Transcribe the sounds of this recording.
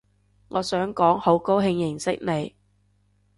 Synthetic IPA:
ŋɔː˨˧sœː˨˥ŋkɔː˨˥ŋho˨˥wko˥wɦɪ˧ŋjɪ˨˩ŋsɪ˥k̚ne˨˧j

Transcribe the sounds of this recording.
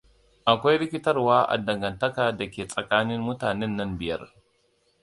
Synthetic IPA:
ʔa˨kʷa˦jɾɪ˦kʲɪ˦tɐ˦rwaː˦ʔa̰˨dɐ˨ŋɡɐ˨ntɐ˦kaː˨dɐ˨kʲeː˨sʼɐ˨kaː˦nɪ˦mmʊ˦taː˨nɛ˦nːɐ˦mbɪ˨jɐ̰˦r

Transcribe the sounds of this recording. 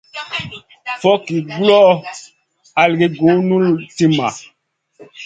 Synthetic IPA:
fɔ˦ki˨ɡu˦lɔ˦ | a˨lɡi˦ɡũ˨˦nũ˦lti˦ma̰˨

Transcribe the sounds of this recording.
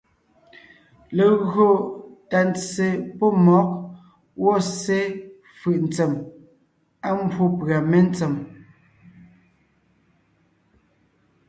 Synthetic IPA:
le˨ɣo˦˨ta˨nt͡se˨pɔ˦mɔ˨˦k̚ | wɔ˦˨se˦ | fɯ˨ʔn̩˨t͡se˨m | a˦m˦bwo˦pɰa˨me˦n̩˦t͡se˨m

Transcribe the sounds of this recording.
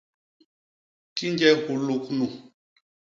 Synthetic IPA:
ki˦nd͡ʒɛ˦ɣu˨lu˨knu˨

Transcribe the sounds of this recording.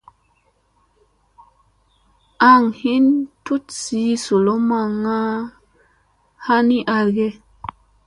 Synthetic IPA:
a˦ŋhi˦ntu˦tsi˨˦so˨lo˦ma˧ŋa˦ | ha˦ni˦ʔa˧lɡe˦

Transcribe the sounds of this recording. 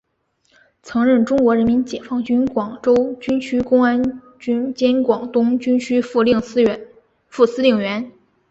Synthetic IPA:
t͡sʰɤ˧˥ŋɻə˥˩nʈ͡ʂʊ˥ŋkwɔ˧˥ɻə˧˥nmi˧˥nt͡ɕjɛ˨˩fɑ˥˩ŋt͡ɕy˥nkwɑ˨˩ŋʈ͡ʂo˥ʊt͡ɕy˥nt͡ɕʰy˥kʊ˥ŋa˥n | t͡ɕy˥nt͡ɕjɛ˥nkwɑ˨˩ŋt̪ʊ˥ŋt͡ɕy˥nt͡ɕʰy˥fu˥˧li˥˩ŋs̩˥ɥɛ˧˥n | fu˥˩sɹ̩˥li˥˩ŋɥɛ˧˥n

